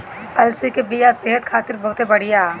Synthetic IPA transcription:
ɐlsikebijaseɦət̪kʰaːt̪ɪɾbɐɦʊt̪ɦebɐɽ̤ijaː

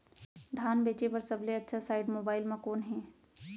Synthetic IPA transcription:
d̪ʱaːnbeːt͡ʃepɐɾsɐbleɐtːʃʰasaːɪɖmoːbaːɪlmãkɔːnɦɛː

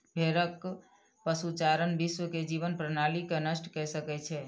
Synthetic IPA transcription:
bʱeɾək | pəsut͡ʃaɾənbiswəked͡ʒibənpɾənalikenəsʈkɛsəkɛt͡ʃʰɛ

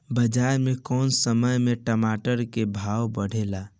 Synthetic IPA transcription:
bəd͡ʒaɾmekɔːnsəməjmeʈəmaʈəɾkebʱawbəɽ̤ela

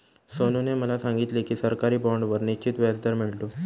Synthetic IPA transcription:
sonuneməlasaŋɡit̪lekiːsəɾkaɾiːbɔɳɖʋəɾnit͡ɕit̪ʋjad͡zd̪əɾmiɭt̪o

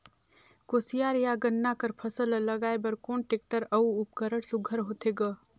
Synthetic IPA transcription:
koːsijaɾjaɡənːakəɾpʰəsəlləɡaːebɐɾkoːnʈeːk̚ʈəɾɐuʊpkəɾəɽsʊɡʱəɾɦot̪ʰeɡə

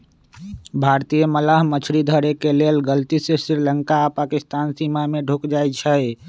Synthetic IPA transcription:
bʱaɾt̪ijəməlaɦmət͡ʃʰɾid̪ʱəɾekelelɡəlt̪isesɾiɾləŋkapakist̪aːnsimameɖʱokd͡ʒajt͡ʃʰə

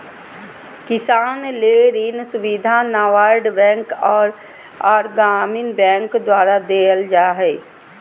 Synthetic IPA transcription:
kɪsaːnleːɾiːnsʊbiːd̪ʱanaːʋaːɾɖbɛ̃ːŋkɔːɾ | aːɾɡaːmɪnbɛ̃ːŋkd̪waːɾad̪eːəld͡ʒaːɦɛː

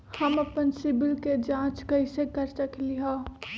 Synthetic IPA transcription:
həməpənsɪbɪlked͡ʒãt͡ʃkəɪsekəɾsəkliɦa

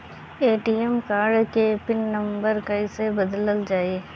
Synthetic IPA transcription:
eːʈiːemkaːɾɖkepɪnːɐ̃mbəɾkɐɪsebɐd̪ləld͡ʒaːieː

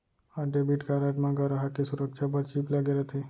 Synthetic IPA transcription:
aɖebiʈkaɾaʈmãɡʱəɾaɦakesʊɾəkʃʰap̬əɾt͡ʃiplaɡeɾət̪ʰe

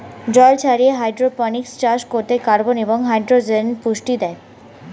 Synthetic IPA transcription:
d͡ʑɔlt͡ɕʰaɾieɦajɖɾopənikst͡ɕaʃkoɾt̪ekaɾboneboŋɦajɖɾod͡ʑenpuʃʈid̪ɛe

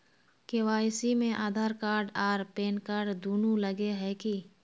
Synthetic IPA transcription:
keːʋaːjsimẽʔaːd̪ʱaːɾkaːɾɖaːɾpeːnkaːɾɖd̪uːnuləɡeɦɛki

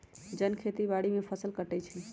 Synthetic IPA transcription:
d͡ʒənkʰet̪ibaɽimepʰəsəlkəʈɛt͡ʃʰɛ

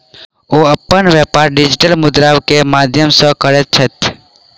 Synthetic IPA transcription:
oɐpːənʋjapaːɾɖɪd͡ʒɪʈəlmʊd̪ɾawkemaːd̪ʱjəmsə̃kəɾet̪̚t͡ʃʰət̪

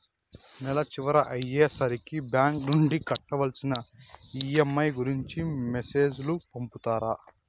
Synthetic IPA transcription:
nɛlɐt͡ʃiʋɐɾɐʔɐjːeːsɐɾikibjaːŋknuɳɖikɐʈːɐʋɐlsinɐiːemːɐjɡuɾiɲt͡ʃimese̞ːd͡ʒlupɐmput̪aːɾa

